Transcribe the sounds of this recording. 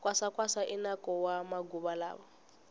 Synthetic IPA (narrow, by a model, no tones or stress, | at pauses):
kʼwasakʼwasaʔinakʼɔwamaɡuβala̰ːβɔ